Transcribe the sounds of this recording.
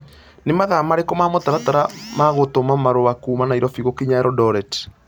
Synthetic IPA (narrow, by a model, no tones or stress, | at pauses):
nemaðamaɾekɔmamotaɾataɾamaɣotomamaɾowakuːmanaiɾɔfiɣokiɲaɛɾɔdɔɾɛt